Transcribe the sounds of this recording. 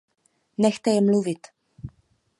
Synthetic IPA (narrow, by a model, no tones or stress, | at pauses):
nɛxt̪ɛjɛmluvɪt̪